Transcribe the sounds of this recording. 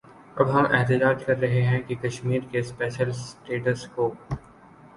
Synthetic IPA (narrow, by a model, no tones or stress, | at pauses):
ɐbɦɐmʔɛ̰ɦt̪ɪd͡ʒaːd͡ʒkɐɾːɐɦeɦɛ̃kikɐʃmiːɾkespɛːʃəlsʈeːʈəskoː